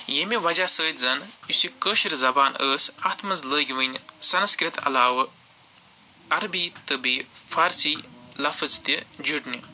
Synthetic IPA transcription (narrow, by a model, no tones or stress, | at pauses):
jemiʋɐd͡ʒaːsəːt̪ʲzɐnjusikəːʃiɾzɐbaːnəːsɐt̪ʰmɐzləːɡʲiʋɨnʲsɐnskɾit̪ʰɐ̰laːwɐ | ɐɾbiːt̪ɨbiːfɐɾsiːlɐfɨzt̪id͡ʒuʈnʲi